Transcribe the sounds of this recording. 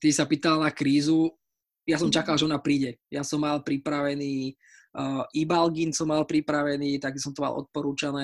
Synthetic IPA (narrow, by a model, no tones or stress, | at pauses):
t̪isapiːt̪alnakɾiːzu | jasɔmt͡ʃakalʒɛɔnaːpɾiːɟɛjasɔmːalpɾipɾaʋɛniː | ʔibalɡinsɔmːalpɾipɾaʋɛniːt̪aɡisɔmt̪ɔma̰lˠʔɔ̰t̪̚pɔɾuːt͡ʃanɛː